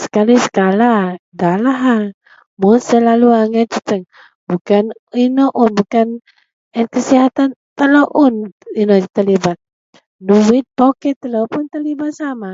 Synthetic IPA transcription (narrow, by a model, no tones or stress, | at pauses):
sə̥kalisə̥kalaɡalaɦa | munsəlaluaŋət̪̚t͡ʃut͡ʃəŋ | bukan | inɔʔʊnbukan | ɛnkəsiɦat̪ant̪əloʔʊninot̪əlibat̪̚ | nuwit̪̚pokɛt̪əlopʊnt̪əlibat̪̚sama